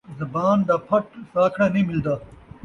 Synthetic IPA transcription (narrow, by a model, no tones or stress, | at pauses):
zɐbaːnd̪apʰɐʈsaːkʰɽanimɪld̪aː